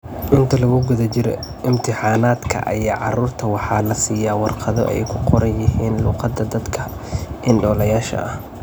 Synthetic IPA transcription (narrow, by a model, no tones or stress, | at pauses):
ʔɪnt̪ʰɐlɐɣʊɡʊðɐt͡ʃɪɾɛ̰ʔɪmt̪ʰɪħɑːnaːd̪kʰɐ̰ʔɐ̰jaːʕɑruːrt̪ʰɐwɑħɑːlɐsiːjaːwɑrqɑðɔ̰ʔɛ̰jkʰʊqɔɾɐnjɪɦiːnluːqɑd̪ɐd̪ɐd̪kʰɐ | ʔɪnɖɔːlɐjaːʃɐ̰ʔɐh